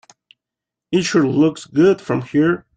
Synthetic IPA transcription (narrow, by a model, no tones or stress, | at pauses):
ɪʃə˞lʊksɡʊd̥fɹʌ̃mhiɹ